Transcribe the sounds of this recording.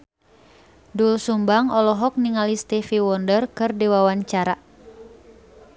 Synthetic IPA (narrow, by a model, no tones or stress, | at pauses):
dulsumbaŋɔlɔɦɔk̚niŋalist̪ɛfiwɔndərkɨrdiwawaɲt͡ʃaɾa